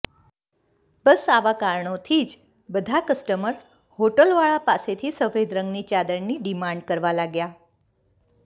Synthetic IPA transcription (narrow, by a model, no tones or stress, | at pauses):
bəsaʋakaɾɳot̪ʰiːd͡ʒ | bəd̪ʱakəsʈəməɾ | hoʈəlʋaɭapaset̪ʰiːsəfed̪ɾəŋɡnit͡ɕad̪əɾniɖimaɳɖ̚kəɾʋalaɡja